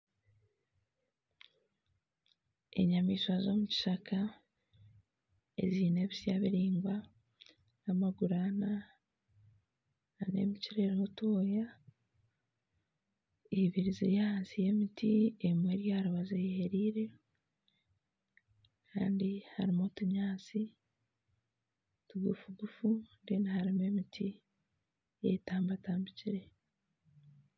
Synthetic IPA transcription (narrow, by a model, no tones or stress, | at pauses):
e̞̰ɲamiːʃwazo̞ːmuci̥ʃakʰa | e̞̰ziːne̞ːβisjaβiɾiːŋɡa | namaɡuɾana | ane̞̰miciɾeɾotoːja | iβiɾizḛjahaːnsije̞mitiemweɾjaːɾuβazejeheɾiːɾe̞ | kʰa̰ːndiha̰ɾimotuɲaːt͡si | tuɡufuɡufundinahaɾime̞mitʰi | jḛtaːmbataːmbiciɾe